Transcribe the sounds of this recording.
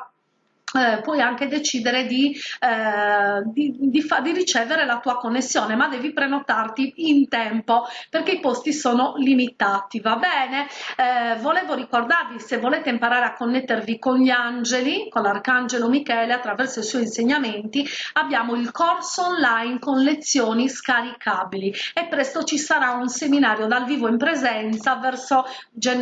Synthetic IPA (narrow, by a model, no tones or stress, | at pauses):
pwɔjaŋked̪et͡ʃiːd̪ɛɾed̪i | d̪id̪ifad̪irit͡ʃɛːvɛɾelat̪uakonːesːjɔːnɛmad̪ːɛːvipɾɛnɔt̪art̪iːnt̪ɛmpɔperk̟eipost̪isɔːnolimit̪at̪ivabɛːnɛ | vɔlɛːvoɾikord̪arvisevːɔlɛːt̪eimpaɾaːɾeakːonːet̪ːervikonʎiand͡ʒelikɔnlarkand͡ʒɛlomikɛːlɛat̪ːɾavɛrsoisuɔinseɲːament̪iabːjaːmoilkɔrsoːnlainkonlet̪sːjoːniskaɾikʰabiliɛpːɾɛst̪ot͡ʃisaɾaunseminaːɾjod̪alviːvoimpɾɛzɛnt̪savɛrso | d͡ʒɛ